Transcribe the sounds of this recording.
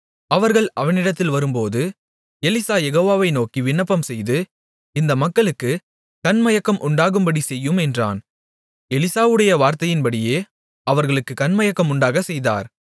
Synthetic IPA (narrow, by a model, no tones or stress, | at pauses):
ɐʋɐɾɣɐɭɐʋɐnɪɽɐt̪ːɪlʋɐɾɯmpoːðɯ | ɛlɪsaːjɛɣoːʋaːʋɐɪnoːkiʋɪɳːɐpːɐmsɛjðɯ | ɪnd̪ɐmɐkːɐɭɯkːɯ | kɐnmɐjɐkːɐmʔʊɳɖaːɣɯmbɐɽisɛjːɯmɛndra̰ːn | ɛlɪsaːʋɯɽɐjɐʋaːɾt̪ɐjɪnpɐɽɪjeː | ɐʋɐɾɣɐɭɯkːɯkɐnmɐjɐkːɐmʊɳɖaːɣɐsɛjða̰ːɾ